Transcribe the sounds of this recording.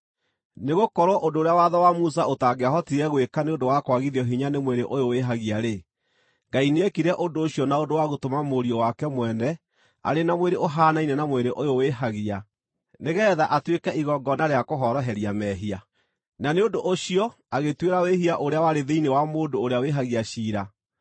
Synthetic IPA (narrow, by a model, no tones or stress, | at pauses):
neɣokɔɾoʔondoːɾejawaðɔwamus̬aotaːɡeaɦɔtiɾɛɣwekaneondowakwaɣiðjɔɦiɲanemweɾeʔojoweɦaɣiaɾe | ŋɡaineekiɾɛʔondoːɕiɔnaondowaɣotomamoɾiɔwakɛmwɛːnɛ | a̰ɾenamweɾeoɦaːnainɛnamweɾeʔojoweɦaɣia | neɣɛːðaʔatwekɛiɣɔɡɔnaɾeakoɦɔɾɔɦɛɾjamɛɦia | naneondoʔoɕiɔ | aɣetweɾaweɦiaʔoɾeawaɾeðeinewamoːndoːɾeaweɦaɣiaɕiːɾa